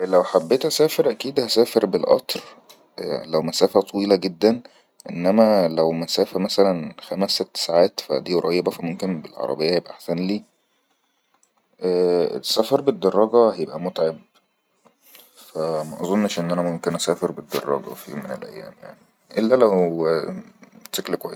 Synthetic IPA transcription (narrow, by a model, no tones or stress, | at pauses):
læwħabːeːt̪ʔæsæːfeɾʔækiːd̪hæsæːfeɾbelʔɑ̰t̪ˤɾ | læwmæsæːfæt̪ˤɑwiːlæɡed̪ːæn | ʔenːæmælæwmæsæːfæmæsælænxæmæsːet̪ːsaʕaːt̪fæ̰d̪iːɾˤɑjːebæfimomkenbelʕɑ̰ɾˤɑ̰bejːæhjebʔæʔaħsænliː | ʔæ̰ːsæːfeɾˤbed̪ːɑrˤːɑɡɑhæjebʔæmot̪ʕeb̚ | fæmæʔɑzˤonːʃʔenːʔænæmomkenʔæsæːfeɾbed̪ːɑ̰rˤːɑ̰ɡɑ̰fimenḛlʔæ̰jːæ̰ːmja̰ʕni | ʔelːælæw | ʃeklkwæ̰jːes